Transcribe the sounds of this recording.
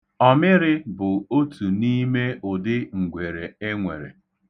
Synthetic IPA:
ɔ˦mɪ˦ɾɪ˦bʊ˨o˦tu˨ni˦me˦ʊ˨dɪ˦ŋ̩˨ɡʷe˨ɾe˨e˦ŋʷe˨ɾḛ˨

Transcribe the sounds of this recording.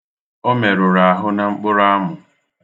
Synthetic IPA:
o˦me˨ɾʊ˨ɾa˨ɦʊ˦na˨ŋ͡m̩˦k͡pʊ˦ɾa˦mʊ˨

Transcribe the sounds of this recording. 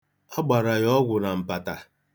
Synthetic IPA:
a˦ɡ͡ba˨ɾa˨jɔ˦ɡʷʊ˨na˨m̩˨pa˨ta˨

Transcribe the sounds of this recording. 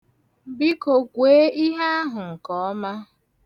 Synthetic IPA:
bi˦ko˨kʷeː˨˦i˦ɦa˦a˦ɦʊ˨ŋ̩˨kɔ˨ɔ˦ma˦

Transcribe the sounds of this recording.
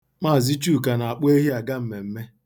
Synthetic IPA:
k͡pa˦˨zi˦t͡ʃu˦˨ka˨na˨a˨k͡pe˦ɦi˦a˨ɡa˦m̩˨me˨m̩˦me˦

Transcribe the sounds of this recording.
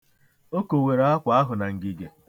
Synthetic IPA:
o˦ko˨we˨ɾa˦a˦kʷa˦a˦ɦʊ˨na˨ŋ̩˨ɡi˨ɡe˨

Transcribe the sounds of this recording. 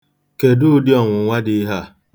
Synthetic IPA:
ke˨dʊ˦dɪ˦ɔ˨ŋʷʊ˨ŋʷa˦di˦ɦa˦˨

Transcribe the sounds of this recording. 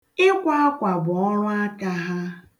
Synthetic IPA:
ɪ˦kʷa˦a˦kʷa˨bʊ˨ɔ˦ɾʊ˦a˦ka˦ɦa˦

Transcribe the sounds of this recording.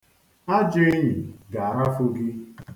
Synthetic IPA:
a˦d͡ʒe˦ɲi˨ɡa˨a˨ɾa˦fʊ˦ɡɪ˦

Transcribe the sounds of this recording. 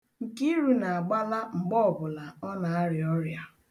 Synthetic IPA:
ŋ̩˨ki˦ɾu˨na˨a˨ɡ͡ba˦la˦ŋ͡m̩˨ɡ͡bɔ˦ɔ˨bʊ˨la˨ɔ˦na˨a˦ɾɪ˨ɔ˦ɾja˨

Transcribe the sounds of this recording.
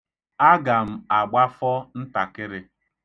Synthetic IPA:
a˦ɡa˨m̩˨a˨ɡ͡ba˦fɔ˦n̩˦ta˨kɪ˦ɾɪ˦

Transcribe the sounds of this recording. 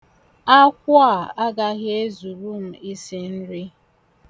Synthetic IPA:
a˦kʷa˦˨a˦ɡa˦ɣe˦zu˨ɾu˦m̩˦˨i˦si˦n̩˦ɾɪ˦

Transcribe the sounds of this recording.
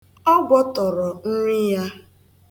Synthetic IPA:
ɔ˦ɡʷɔ˦tɔ˨ɾɔ˨n̩˦ɾi˦ja˦

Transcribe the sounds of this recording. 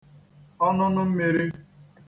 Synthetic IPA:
ɔ˦nʊ˦nʊ˦m̩˦mi˨ɾi˦

